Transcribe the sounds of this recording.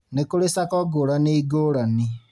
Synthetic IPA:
nekoɾesakɔɡoɾaneiɡoɾani

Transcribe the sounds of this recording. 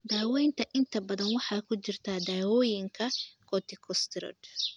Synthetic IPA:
d̪aːwɛjnt̪ʰɐʔɪnt̪ʰɐbɐðɐnwɑħɑːkʰʊt͡ʃɪrt̪ʰaːd̪aːwɔːjɪŋkʰɐkʰɔt̪ʰɪkʰɔst̪ʰɪɾɔ̰ːd̪

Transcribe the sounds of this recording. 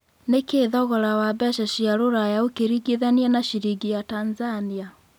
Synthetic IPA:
nekeːðɔɣɔɾawabɛʃaʃiaɾoɾajaokeɾiɡeðaniɛnaʃiɾiɡijatanzania

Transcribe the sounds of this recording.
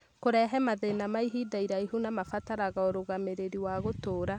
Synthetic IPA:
koɾɛɦɛmaðenamaiɦidaiɾaiɦunamafataɾaɣaoɾoɣameɾeɾiwaɣotoːɾa

